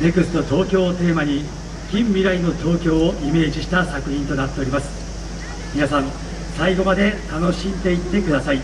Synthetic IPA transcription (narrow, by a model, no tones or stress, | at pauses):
ne̞kɯ̟sɨ̥no̞t̪o̞ːkʲo̞ːt̪e̞ːmaɲ̟i | kʲĩmːʲiɾaino̞t̪o̞ːkʲo̞ːoʔime̞ːʑiɕi̥t̪asakɯ̟çĩnt̪o̞nat̪ːe̞oɾʲimasɨ̥ | mʲinasãɴ | saiɡo̞mad̪e̞t̪ano̞ɕĩnd̪e̞it̪ːe̞kɯ̟d̪asai